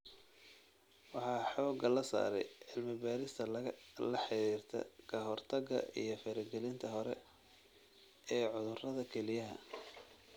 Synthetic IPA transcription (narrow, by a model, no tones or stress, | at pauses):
wɑħɑːħɔːɡɐlɐsa̰ːɾɛjʕɪlmɪbaːɾɪst̪ʰɐlɐlɐħɪɾiːrt̪ʰɐ̰kʰɐɦɔrt̪ʰɐɡɐ̰ʔḭjɞfɐɾɛɡɛlɪnt̪ʰɐɦɔɾɛ̰ | ɛːʕʊðʊrɐðɐkʰɛlɪjɐɦɐ̰